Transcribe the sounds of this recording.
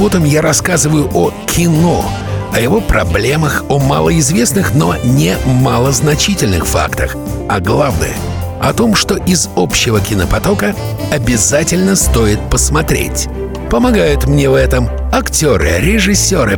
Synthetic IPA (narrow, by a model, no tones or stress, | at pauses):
vot̪əmjaɾɐskazɨvəjʊʔokʲʰɪno̞̰ | ɐjɪvo̞pɾɐ̰blʲe̞məxomalˠəɪzvʲe̞snɨxno̞nʲɪmalˠəznɐt͡ɕitʲɪlʲnɨ̰xfa̰kt̪əx | ɐɡlˠavnə̰jə̰ | ɐ̰t̪o̞mʂt̪o̞ʔɪzopɕːɪvəkʲɪnəpɐt̪o̞kə | ɐbʲɪzatʲɪlʲnəst̪o̞ɪt̪̚pəsmɐt̪ɾʲḛtʲ | pəmɐɡajʊt̪mnʲevɛt̪əm | ɐktʲo̞ɾɨ̰ɾʲɪʐɨsʲːoɾɨ